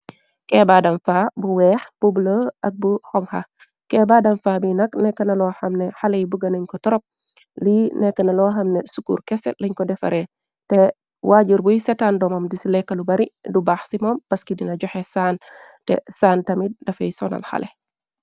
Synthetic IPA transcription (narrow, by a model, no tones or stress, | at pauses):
kɛːbadɐmfaːbuwɛːxb̥ubləʔɐk̚buxɔŋxɐ̰ | kɛːbaːdɐmfaːbinɐknɛkːɐnɐlɔxɐmnɛxalɛjbuɡɐnɐɲkɔtɔɾɔp̚ | linɛkːɐnɐlɔxɐmnɛsukṵːrkɛsɛ̰lɐɲkɔdɛfɐ̰ɾɛ | tɛ | waːɟuɾbujsɛtaːndɔmɐmdisilɛkːɐlubɐɾidubaːxsimɔmpɐskidinɐɟɔxɛsaːn | tɛ̰saːntɐmidɐfɐjsɔnɐ̰lxɐ̰lɛ